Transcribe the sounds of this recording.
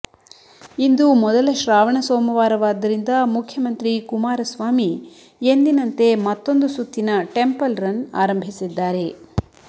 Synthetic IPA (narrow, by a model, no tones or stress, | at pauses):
ind̪umɔd̪ɐlɐʃɾaːʋɐɳɐsoːmɐʋaːɾɐʋaːd̪ːɐɾind̪ɐmukʰjɐmɐnt̪ɾikumaːɾɐsʋaːmi | end̪inɐnt̪e̞mɐt̪ːo̞nd̪usut̪ːinɐʈe̞mpɐlɾɐna̰ːɾɐmbʱisid̪ːaːɾe̞